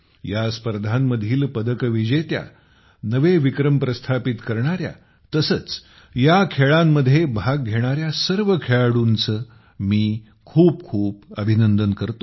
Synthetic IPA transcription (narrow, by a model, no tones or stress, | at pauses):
jaspəɾd̪ʱamːəd̪ʱiːlpəd̪əkʋid͡ʑet̪ja̰ | nəʋeʋikɾəmpɾəst̪ʰapit̪kəɾɳ̃aɾja̰ | t̪əsət͡s | jakʰeɭamːəd̪ʱːjebʱaɡɡʱeɽ̃aɾjasəɾʋəkʰeɭaɽuːnt͡sə | miː | kʰuːp̚kʰuːpəbʱinənd̪ənkəɾt̪o